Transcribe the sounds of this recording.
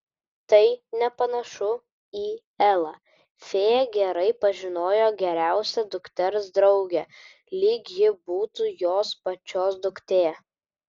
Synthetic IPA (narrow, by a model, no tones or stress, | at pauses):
t̪ɐɪnʲɛpɐnɐʃʊ | iː | ɛlˠɐ | fʲeːjɛɡʲɛɾɐɪpɐʒʲɪnoːjoːɡʲɛɾʲæˑʊsʲɛd̪ʊkt̪ʲɛɾsd̪ɾɒʊɡʲɛ | lʲiːkjɪbuːt̪uːjoːspɐt͡ʃʲoːsd̪ʊkt̪ʲeː